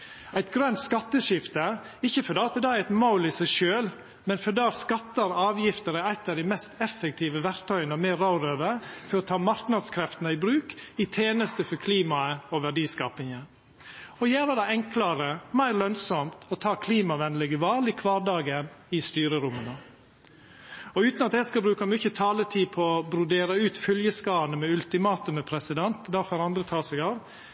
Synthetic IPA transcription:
æɪt̪ɡɾœnt̪skɑt̪ːəʃɪft̪ə | ɪçːəfɔɖɑːt̪əd̪ææɪt̪maʊlɪsæɪʃøːl | mɛnfɔdɑːskɑt̪ːəɾɑːʋjɪft̪əɾəæɪt̪ːɑd̪ɪmɛst̪ɛfːək̚t̪ʰiːʋəʋæɾt̪ʰœʏənɔmeːɾɑʊɾøːʋəfɔɾɔt̪ʰɑːmɑɾknɑd̪skʰɾɛft̪ənəɪbɾʉːkɪt̪ʰeːnəst̪əfɔɾkʰliːmɑəɔʋæɖiːskɑːpɪŋən | ɔjæːɾəd̪ɛɪɛŋklɑɾəmæɪɾlœnsɔmt̪ɔt̪ʰɑːkʰliːmɑʋɛnlɪɡəʋɑːlɪkʰʋɑːɖɑːɡənɪst̪yːɾəɾʊmːənə | ɔʉːt̪nɑt̪ɛskɑlbɾʉːkɑmʏçət̪ʰɑːlət̪ʰiːpʰɔɔbɾʊd̪eːɾɑʉːt̪fœljəskɑːnəmɛʉlt̪ɪmɑːt̪ʉməpʰɾɛsɪd̪ɛnt̪d̪æɾfɔɾɑnd̪ɾət̪ʰɑːsɛɡɑːʋ

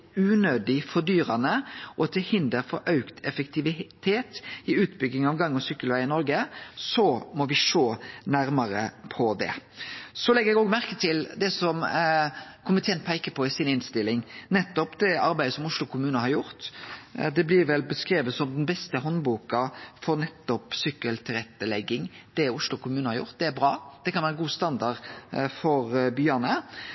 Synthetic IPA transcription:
ʉːnøːd̪ɪfɔɾd̪yːɾɑnəʔɔt̪ʰɪlhɪnd̪əɾfɔɾʔɑʉkt̪ʰɛfəkt̪ʰɪʋɪt̪ʰeːt̪ɪʉːt̪bʏɡːɪŋɑʋɡɑŋːɔsykːəlʋæɪɪnɔɾɡəsɔmɔʋɪʂoːnæɾmɑɾə̰pʰɔd̪ɛ̰sɔlɛɡəɾɛɡoːɡmæɾkət̪ʰɪld̪ɛsɔm | kʰʊmbət̪ʰɛnt̪̚pʰæɪkəpʰɔɪsinɪnst̪ɪlːɪŋnɛt̪ːɔpd̪ɛɑɾbæɪd̪əsɔmʊʂlʊkʰʊmʉːnəhɑɾjʊɾt̪d̪ɛblɪɾʋɛlbəskɾeːʋət̪sɔmd̪ɛnbɛst̪əɦɔnbuːkɑfɔɾnɛt̪ːɔpsʏkːəlt̪ʰɪlɛt̪ːəlɛɡːɪŋd̪̥ɛʊʂlʊkʰʊmʉːnhɑɾjʊ̰ɾt̪̚d̪ɛæɾbɾɑːd̪̥ɛkʰɑnʋæːɾəɡuːst̪ɑnd̪ɑdfɔɾbyːɑnə

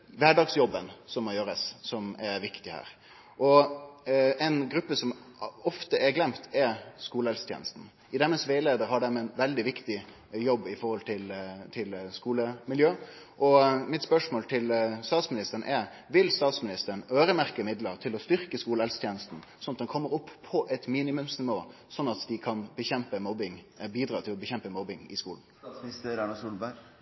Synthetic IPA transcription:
ʋæːɖɑːɡsjɔbːənsɔmːɔjøːɾəsːɔmɛɾʋɪkt̪ɪhæ̰ːɾ | ʔɔ | ɛɪnɡɾʉpːəsɔm | ɔft̪əɛɾɡlɛmt̪ʰɛskuːləɛlst̪jɛ̰ːnəst̪n̩ | ɪd̪ɛməsʋeɪleːd̪əɾhɑɖɛmɛnʋɛld̪ɪʋɪkt̪ɪ | jɔbːɪfɔɾhɔlt̪ʰɪlt̪ʰɪlskuːləmɪljøː | ʔɔmɪt̪spœʂmoːlt̪ʰɪlst̪ɑːt̪smɪnɪst̪əɾn̩ʔɛɾ | ʋɪlst̪ɑːt̪smɪnɪst̪əɾənøːɾəmæʁkəmɪd̪ləɾt̪ʰɪlɔst̪ʏɾʁkəskuːləɛlst̪ʰjɛːnəst̪n̩sɔnːɑt̪̚d̪ɛnkʰɔmːəɾɔpʰːɔʔɛt̪miːnɪmʉmsnɪʋoːsɔnːɑt̪d̪ɪkʰɑnbəçɛmpəmɔbɪŋ | biːd̪ɾɑːt̪ʰɪlɔbəçɛmpəmɔbɪŋɪ̰skuːln̩st̪əɾɑnɑsuːlbæ

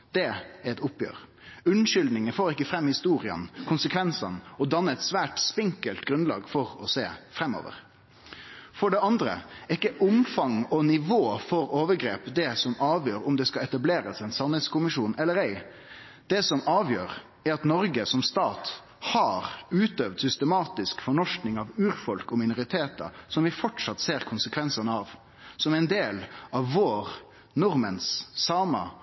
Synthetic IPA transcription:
d̪̥ɛæɾɛt̪ʊpjø̰ːɾ | ʉnʃʏld̪nɪŋəfoːɾɪkːəfɾɛmːhɪst̪uːɾɪə̰nkʰʊnsəkʰʋɛnsɑnɔd̪ɑnːəɛt̪sʋæːʈspɪŋkəlt̪ɡɾʉnlɑ̰ːɡfɔʁɔseːfɾɛmːɔ̰ːʋə̰ʁ | fɔɖɛɑnd̪ɾə̰ɪkːəʔʊmfɑŋɔnɪʋoːfɔɾoːʋəɡɾeːpd̪ɛsɔmɑːʋjøːɾʊmd̪ɛskɑɛt̪ɑbleːɾəsɛɪnsɑnhɛt̪skʊmɪʃuːnɛlːəɾɛɪ | d̪̥ɛsɔmʔɑːʋjøːɾ | æɾɑt̪nɔɾɡəsɔmst̪ɑːt̪ | hɑɾʉːt̪øːʋd̪sʏst̪əmɑːt̪ɪskfɔɳɔʂknɪŋɑʋʉːɾfɔlkɔmɪnʊɾɪt̪ʰeːt̪ɑ̰sɔmʋɪfɔʈʂɑt̪seːɾkʰʊnsəkʰʋɛnsənəɑʋ | sɔmæɪnd̪eːlɑʋːoːɾ | nʊɾmənsːɑːmə̰

